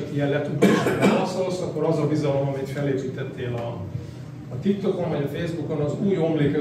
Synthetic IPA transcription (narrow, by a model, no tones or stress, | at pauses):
t̪ijɛnlɛt̪ud̪oːʃɛlɒsolsɒkːo̞ɾɒzɒbizɒlo̞mɒmit̪fɛleːpiːt̪ɛt̪ʰːeːlɒː | t̪ik̚t̪o̞ko̞ɱvɒɟɒfeːzbuko̞nɒzuːjo̞mleːkø